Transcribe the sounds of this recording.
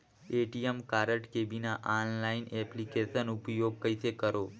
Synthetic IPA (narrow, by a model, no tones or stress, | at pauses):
eʈiemkaɾəʈkebinaʔanlainɛplikeʃənupjoɡ̚kəjt̪ʰekəɾo